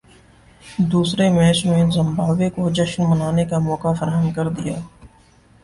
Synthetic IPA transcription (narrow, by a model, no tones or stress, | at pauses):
d̪uːsɾemɛːt͡ʃmẽːnzɐ̃mbaːʋekod͡ʒɐʃnmənaːnekamɔːkafəɾaːɦəmkɐɾd̪ɪjaː